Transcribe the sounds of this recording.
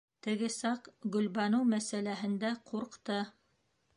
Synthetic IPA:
t̪ɘ̆ɡɘsɑqɡɵ̆lβɑnɤwmæsælæɦɘ̆nd̪æqʰuɾqt̪ɤ

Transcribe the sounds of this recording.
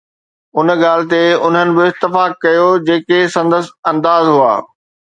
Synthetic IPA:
ʊnɠaːlɪ̆t̪eʊnɦənɪ̆bɪɪt̪ːɪfaːkːɐjod͡ʑeːkesɐ̃nd̪əsɐ̃nd̪aːzɦua̰ː

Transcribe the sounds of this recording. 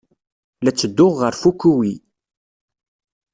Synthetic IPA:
læt͡sːəd̪ːʊʁːəɾfukːuwi

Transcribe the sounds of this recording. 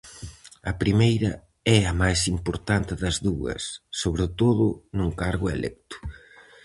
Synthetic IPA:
ɐpɾimejɾɐ | ɛɐmajsimpoɾt̪ant̪ɪðɐzðuɐ̰sːoβɾet̪oðʊ̰nuŋkaɾɣʊḛlʔɛ̰k̚t̪ʊ̥

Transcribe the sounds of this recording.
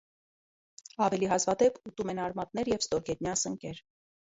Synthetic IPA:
ɑvɛliɦɑzvɑd̪ɛput̪umɛnɑɾmɑt̪̚nɛɾjɛvst̪ɔɾɡɛt̪njɑsəŋkɛɾ

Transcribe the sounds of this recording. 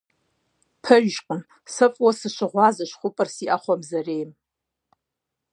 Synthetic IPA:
pʰɐʒʒkʷʼʊn | sɨpʼwɐsɨʃʷɨʁʷɑːzɐʃχʷʊpʼɨrsiʔaχʷɔmzɐrejm

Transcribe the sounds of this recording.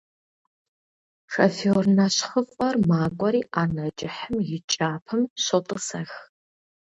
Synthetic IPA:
ʂɐfoːrnɐɕχəfʼɐrmaːkʷʼɔɾiːʔaːnɐd͡ʒʼɪħəmjɪt͡ʃʼaːpʰɨmɕotʼɨsɐx

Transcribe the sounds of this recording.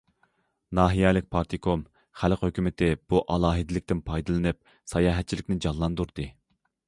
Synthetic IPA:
nɑːɦijɛlɪk̚ʲpʰɑɾt̪ʰikʰom | χælqhøkʲymɪt̪ʰɪb̥uʔɑlˠɑːɦɨd̪ɪlɪk̚ʲt̪ɪnpʰɑjd̪ɨlˠɨnɨp̚ | sɑjɑːɦɛt̪̚t͡ʃʰilɪkʲnɪd͡ʒɑlˠːɑnd̪uɾd̪ɨ

